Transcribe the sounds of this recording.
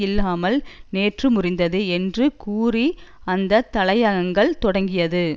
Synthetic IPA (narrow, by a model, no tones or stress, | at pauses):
ɪlːaːmɐlneːʈrɯmʊrɪnd̪ɐðɯɛndrɯkuːriɐnd̪ɐt̪ɐɭɐjaɣɐŋɡɐɭt̪ɔɽɐŋɡɪjɐðɯ